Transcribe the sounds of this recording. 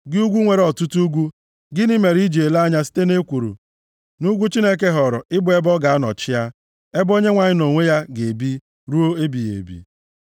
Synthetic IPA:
ɡɪ˦u˦ɡʷu˦ŋʷe˨ɾɔ˨tu˦tu˦ɡʷu˦ | ɡɪ˦nɪ˦me˨ɾi˦d͡ʒe˨la˦ɲa˦si̥˦te˦ne˦kʷu˨ɾṵ˨ | nu˦ɡʷu˦t͡ʃi˦ne˦k̬e˦ɦɔ˨ɾɔ̰˨ɪ˦bʊ˨e˦bɔ˦ɡa˨a˦nɔ̰˨t͡ʃɪ˦ja˦ | e˦bo˦ɲe˦ŋʷa˨ɲɪ˦no˨ŋʷe˦ja˦ɡe˨bi˦ | ɾu˦o˦e˦bi˨jḛ˨bḭ˨

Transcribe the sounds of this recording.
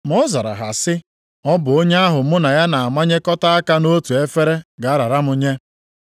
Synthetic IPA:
m˦ɔ˦za˨ɾa̰˨ɦa̰˨sɪ˦ | ɔ˦bʊ˨o˦ɲe˦a˦ɦʊ˨mʊ˦na˨ja˦na˨a˨ma˦ɲe˦kɔ˦ta˦a˦ka˦no˦tu˨e˦fe˦ɾe˦ɡa˨a˦ɾa˨ɾa˦mʊ˨ɲe˦

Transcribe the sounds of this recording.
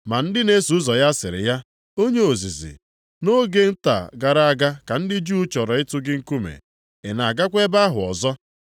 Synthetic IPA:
ma˨n̩˦dɪ˦ne˦su˨ʊ˦zɔ˨ja˦sɪ˨ɾɪ̰˨ja˦ | o˦ɲe˦o˨zi˨zḭ˨ | no˦ɡe˦n̩˦ta̰˨ɡa˨ɾa˦a˦˨ɡa˦ka˨n̩˦dɪ˦d͡ʒu˦t͡ʃɔ˨ɾɔ˨ɪ˦tʊ˦ɡɪ˦ŋ̩˦ku˦mḛ˨ | ɪ˨na˨a˨ɡa˦kʷe˦ba˦ɦʊ̰˨ɔ̰˨zɔ˦

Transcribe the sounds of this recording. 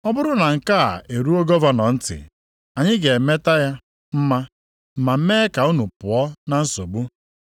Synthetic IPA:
ɔ˦bʊ˦ɾʊ˦na˨ŋ̩˨ka˦a̰˨ʔe˨ɾu˦o˦ɡɔ˦va˦nɔ˨n̩˦tɪ̰˨ | a˨ɲɪ˦ɡe˨me˦ta˦ja˦ | m̩˦ma˦ | m̩˨ma˨m̩˦me˦ka˨u˦nu˨pʊ˨ɔ˦na˨n̩˦so˨bu˦

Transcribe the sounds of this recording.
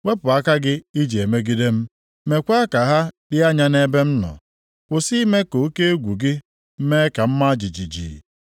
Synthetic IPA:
we˦pʊ˨a˦ka˦ɡɪ˦i˦d͡ʒi˨e˨me˦ɡi˦de˦m̩˦ | me˨kʷa˦ka˨ɦa˦dɪ˦a˦ɲa˦ne˦be˦m̩˦nɔ̰˨ | kʷʊ˨si˦me˦ko˨o˦ke˦e˦ɡʷu˨ɡɪ˦ | m̩˦me˦ka˨m̩˦ma˦d͡ʒi˨d͡ʒi˨d͡ʒḭ˨

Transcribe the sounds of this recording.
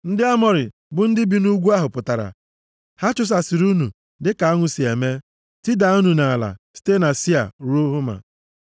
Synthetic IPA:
n̩˦dɪ˦a˦mɔ˨ɾɪ̰˨ | bʊ˨n̩˦dɪ˦bi˨˦nu˦ɡʷu˦a˦ɦʊ˨pʊ˨ta˨ɾa̰˨ | ha˦t͡ʃʊ˦s̬a˨si˨ɾu˦nu˨ | dɪ˦ka˨a˦ŋʷʊ˨si˨e˨me˦ | tɪ˦da˨˦u˦nu˨na˨la̰˨si̥˦te˦na˨si˦a̰˨ɾu˦ɦʊ˦ma̰˨

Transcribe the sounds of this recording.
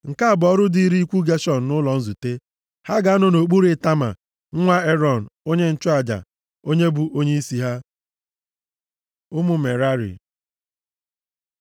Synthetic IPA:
ŋ̩˨ka˦a˨bɔ˦ɾʊ˦di˦i˦ɾi˦i˦kʷu˦ɡe˦ʃɔ˨n̩˨nʊ˦lɔ˨n̩˦zu˨te˦ | ha˦ɡa˨˦nʊ˦no˨k͡pu˦ɾe˨ta˦ma̰˨ | ŋ̩˦ŋʷa˦e˦ɾɔ˨n̩˨o˦ɲe˦n̩˨t͡ʃʊ˦a˨d͡ʒa̰˨ | o˦ɲe˦bu˨ʔo˦ɲe˦i˦si˨ɦa˦ | ʊ˦mʊ˨me˨ɾa˦ɾḭ˨

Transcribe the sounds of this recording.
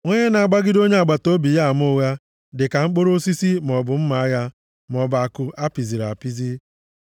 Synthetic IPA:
ŋʷe˦ɲe˦na˨a˨ɡ͡ba˦ɡɪ˦do˦ɲe˦a˨ɡ͡ba˨to˦bi˨ja˦˨m˦o˦ɣa˦ | dɪ˨ka˨ŋ͡m̩˦k͡po˦ɾo˦si˦si˦m˨ɔ˨bʊ˨m̩˦ma˨a˦ja˦ | m˨ɔ˨ba˨kʊ˨a˦pi˨zi˨ɾa̰˨pi˦zi˦

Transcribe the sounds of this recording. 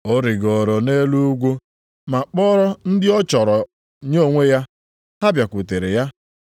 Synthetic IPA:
o˦ɾɪ˨ɡɔ˨ɾɔ˨ne˦lu˦ɡʷo˦ | ma˨k͡pɔ˦ɾɔ˦n̩˦dɪ˦ɔ˦t͡ʃɔ˨ɾɔ˨ | ɲo˦o˨ŋʷe˦ja˦ | ha˦bja˨kʷʊ˨te˨ɾɪ̰˨ja˦

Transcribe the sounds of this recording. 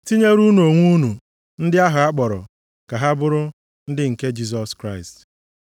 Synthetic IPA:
ti˦ɲe˦ɾu˦nu˨o˨ŋʷu˦nu˨ | n̩˦dɪ˦a˦ɦʊ˨a˦k͡pɔ˨ɾɔ̰˨ | ka˨ɦa˦bʊ˦ɾʊ˦ | n̩˦dɪ˦ŋ̩˨ke˦d͡ʒi˦s̬ɔ˨skɾa˦˨ɪ˨st

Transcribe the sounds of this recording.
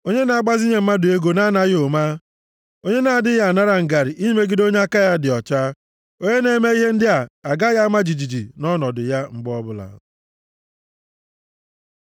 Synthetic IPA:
o˦ɲe˦na˨˦ɡ͡ba˦zi˦ɲe˨m̩˦ma˦dʊ˨e˦ɡo˨na˦na˦ɣo˨ma˦ | o˦ɲe˦na˨a˨dɪ˦ja˨na˦ɾa˨ŋ̩˨ɡa˨ɾi˨ʔi˦me˦ɡi˦do˦ɲe˦a˦ka˦ja˦dɪ˨ɔ˨t͡ʃa˦ | o˦ɲe˦ne˨˦me˦i˦ɦe˦n̩˦dɪ˦a˨a˨ɡa˦ja˦ma˦d͡ʒi˨d͡ʒi˨d͡ʒḭ˨nɔ˦nɔ˨dʊ˨ja˦ŋ͡m̩˦ɡ͡bɔ˦bʊ˦la̰˨

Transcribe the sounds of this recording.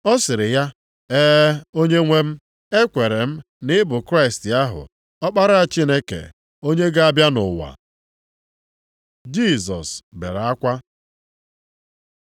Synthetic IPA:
ɔ˦sɪ˨ɾɪ˨ja˦ | eː˦o˦ɲe˦ŋʷe˦m̩˦ | e˦kʷe˨ɾe˨m̩˦ | nɪ˦bʊ˨kɾa˦ɪ˨stja˦ɦʊ̰˨ | ɔ˦k͡pa˦ɾa˦a˦˨t͡ʃi˦ne˦kḛ˨ | o˦ɲe˦ɡa˦a˦bja˦nʊ˨wa̰˨ | d͡ʒi˦˨sɔ̰˨sbḛ˨ɾa˦kʷa˦

